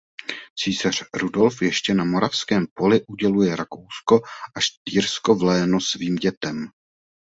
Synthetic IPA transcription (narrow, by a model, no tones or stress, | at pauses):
t͡siːsar̝̥ɾudo̞lfjɛʃcɛnamo̞ɾafskɛːmpo̞lɪʔuɟɛlujɛɾakowsko̞ʔaʃt̪iːɾsko̞vlɛːnosviːmɟɛt̪ɛm